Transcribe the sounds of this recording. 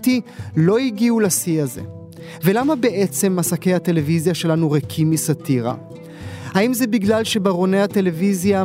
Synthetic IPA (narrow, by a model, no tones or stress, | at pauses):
t̪ilo̞iɡiulasiaze̞̰ | ve̞lamabe̞ʔet͡se̞mːasake̞jhat̪e̞le̞vizjaʃe̞lanuʁekʰimisat̪iʁa̰ | haimzebiɡlalʃe̞baʁo̞ne̞jhat̪e̞le̞vizja